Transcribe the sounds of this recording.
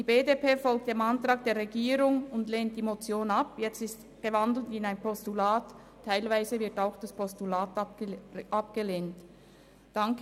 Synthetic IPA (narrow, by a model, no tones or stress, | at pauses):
diːbeːdepeːfɔlk̚td̥eːmantʁ̥aːk̚d̥eːɐʁeɡiːɾʊŋʊndleːnt̚d̥iːmot͡sjoːnapjɛt͡stɪst | ɡ̥əvandl̩tɪnaɪnpʰɔstulaːtʰː | aɪlvaɪzəvɪɐtaʊxd̥aspʰɔstulaːt | ʔap̚ɡ̥əleːnt | d̥aŋk